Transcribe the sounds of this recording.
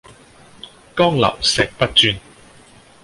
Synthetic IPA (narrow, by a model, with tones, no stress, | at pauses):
kɔː˥ŋlɐ̰˨˩wsɛː˨˩k̚pɐ˥t̚t͡ʃyː˧n